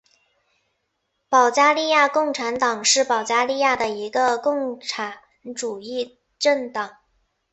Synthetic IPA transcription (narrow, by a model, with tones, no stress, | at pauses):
pɑ˨˩ʊt͡ɕja˥li˥˧ja˥˧kʊ˥˩ŋʈ͡ʂʰa˧˥nt̪ɑ˨˩ŋʂɻ̩˥˩pɑ˨˩ʊt͡ɕja˥li˥˧ja˥˩d̪ə˩i˧˥ɡə˧kʊ˥˩ŋʈ͡ʂʰa˧˥ | nʈ͡ʂu˨˩i˥˩ | ʈ͡ʂə˥˩ŋt̪ɑ˨˩˦ŋ